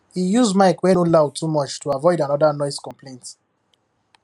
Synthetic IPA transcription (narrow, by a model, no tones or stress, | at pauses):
hijuzmaɪkwɛ̃nolaw̚tʰumɔt͡ʃtʰuavɔɪdãnɔdanɔɪskɔ̃mpʰlẽɪ̃nt